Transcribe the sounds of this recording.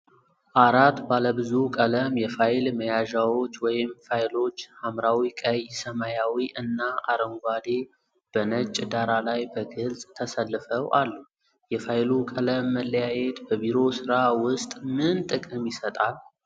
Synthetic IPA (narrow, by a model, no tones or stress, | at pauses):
ʔaɾat̪baləbɨzukʼələmjɛfajlməjaʒawo̞t͡ʃːwɔjɪmfajlo̞t͡ʃːhamɾawikʼəjsəmajawiʔɨnːaʔaɾəŋɡʷad̪e̞ | b̥ənət͡ʃʼːd̪aɾalajbəɡɨlsʼt̪ʰəsəlːɨfəwʔalːu | jɛfajlukʼələmːəlːəjajet̪bəbiɾo̞sɨɾawʊst̪ʼmɨnt̪ʼɨkʼɨmjɪsət̪ʼal